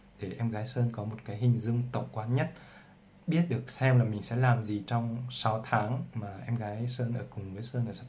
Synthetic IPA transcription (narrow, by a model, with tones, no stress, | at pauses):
ɗe˧˩ʔɛ˧mɣaː˨˦jsəː˧nkɔ˨˦mo˨˩t̚kaː˨˦jɦï˨˩ŋ̟zɨ˧əŋt̪ə̰˧˨wŋ͡mkwaː˧nɲə˦˥t̚ | ɓi˦˥ət̚ɗɨ˨˩ək̚sɛ˧mlaː˨˩mï˨˩ŋ̟sɛ̰˧˥laː˨˩mzi˨˩t͡ɕɔ˧wŋ͡msa˨˦wt̪ʰaː˨˦ŋmaː˨˩ʔɛ˧mɣaː˨˦jsəː˧nʔəː˧˩kʊ˨˩ŋ͡mvɨː˨˦jsəː˧nʔəː˧˩sa˦˥